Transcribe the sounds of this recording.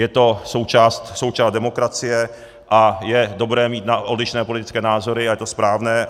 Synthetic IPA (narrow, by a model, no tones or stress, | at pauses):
jɛt̪o̞so̞wt͡ʃaːst̪so̞wt͡ʃaːst̪dɛmo̞kɾat͡sɪjɛ | ʔajɛdo̞bɾɛːmiːt̪naʔodlɪʃnɛːpo̞lɪt̪ɪ̥t͡skɛːnaːzo̞ɾɪajɛt̪ospɾaːvnɛː